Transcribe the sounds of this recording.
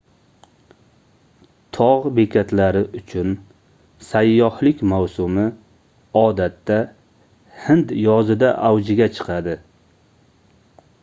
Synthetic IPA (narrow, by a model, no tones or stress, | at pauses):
t̪ʰɒʁbekʲʰat̪laɾɪʔʊt͡ʃʰʊn | sajːɒhlɪkʲmawsʊmɪ | ɒd̪at̪ːa | hɪnd̪jɒzɪd̪aʔawd͡ʒɪɡʲat͡ʃʰɨ̥qʰɑd̪ɪ